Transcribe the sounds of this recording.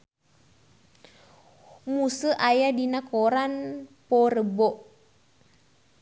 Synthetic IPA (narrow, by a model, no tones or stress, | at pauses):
musəʔajadinakoɾanpɔrəbɔʔ